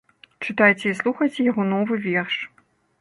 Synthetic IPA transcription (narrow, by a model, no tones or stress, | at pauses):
t͡ʂɨt̪ajt͡sʲɛislˠuxɐjt͡sʲɛjaɣɔnɔvɨvʲɛrʂ